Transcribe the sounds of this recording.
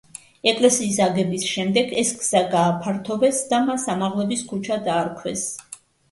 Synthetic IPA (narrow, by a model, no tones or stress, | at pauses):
ɛkʼlɛsiːsaɡɛbisʃɛmd̪ɛɡɛsɡz̥aɡaːpʰaɾt̪ʰɔvɛsd̪amasamaʁlˠɛbiskʰut͡ʃʰad̪aːɾkʰwɛs